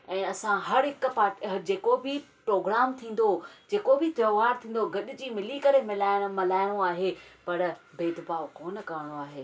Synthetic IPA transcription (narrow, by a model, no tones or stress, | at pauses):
ɛ̃ːɐsãɦɐɾɦɪkpaːʈɦɐd͡ʑeːkobʱɪpɾoːɡɾaːmt̪ʰĩːn̆d̪od͡ʑeːkobʱɪt̪ɾɐːʋaːɾt̪ʰĩːnd̪oɡɐɗʊ̆d͡ʑiːmɪlikɐɾemɪlaːɪɽ̃mɐlaːɪɽ̃oaːɦepɐɾbeːd̪baːokoːnkɐʋəɽ̃oaːɦeː